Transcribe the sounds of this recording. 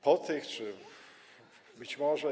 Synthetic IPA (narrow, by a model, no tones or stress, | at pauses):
pɔt̪ɘxt͡ʂɘ | bɘt͡ɕmɔʐɛ